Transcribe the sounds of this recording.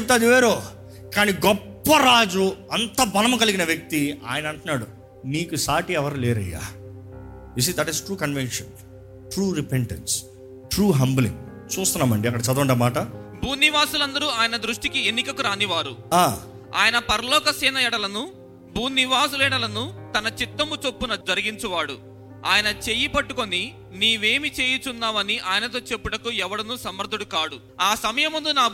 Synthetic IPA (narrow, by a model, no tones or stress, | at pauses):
t͡ʃep̚ut̪aːd̪iʋeːɾoː | kaːniɡɔpːɐɾaːd͡ʒuɐnt̪ɐbɐlɐmɐkɐliɡinɐʋjɐk̚t̪ia̰ːjɐnɐɳʈunːaːɽu | niːkusaːʈiɛʋɐɾlɛːɾɐ̰jːa̰ː | jus̬iːd̪ɐʈisʈɾuːkɐnʋenʂɐn | ʈɾuːɾipeɳʈens | ʈɾuːɦɐmblḭŋɡ | t͡ʃuːst̪unːaːmɐɳɖiɐkːɐɽɐt͡ʃɐd̪ɐɐɳɖɐmaːʈɐbʱuːnːiʋaːsulɐnd̪ɐɾuaːjɐnɐd̪ɾuʂʈikienːikɐkuɾaːniʋaːɾṵaː | a̰ːjɐnɐpɐɾɐlɔːkɐsɛːnɐɛɽɐlɐnu | bʱuːnːiʋaːsulɛːɽɐlɐnut̪ɐnɐt͡ʃit̪ːɐmut͡ʃopːunɐd͡ʒɐɾiɡiɲt͡ʃɐʋaːɽṵ | a̰ːjɐnɐt͡ʃe̞jipɐʈːuko̞ni | niːʋe̞ːmit͡ʃeːjit͡ʃunːaːʋɐniʔaːjɐnɐt̪o̞ːt͡ʃe̞pːuɽɐkuɛʋɐɽɐnusɐmɐɾd̪ʱuɽukaːɽu | aːsɐmɐjɐmːund̪unaː